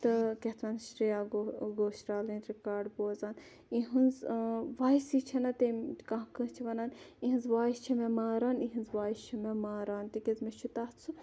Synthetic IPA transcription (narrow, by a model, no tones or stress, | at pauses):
t̪ɐkeht̪ʰʋaːnʃɾijaːɡoɡoːʃɾaːlĩːt̪ɾikaːɾɖboːzaːn | iɦunzʋaːisit͡ʃʰɐnɐt̪ekãɦkɐt͡ʃʰiʋɐnaːnĩɦinzʋaːist͡ʃʰimemaːɾaːniɦinzʋaːist͡ʃʰimemaːɾaːnt̪ikezmet͡ʃʰut̪at͡sʰu